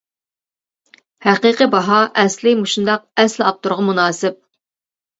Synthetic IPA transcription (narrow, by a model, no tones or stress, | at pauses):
hæqiqəbɑɦɑʔɛslɪmuʃund̪ɑq̚ɛslɑp̚t̪uɾʁɑmunɑːsɪp̚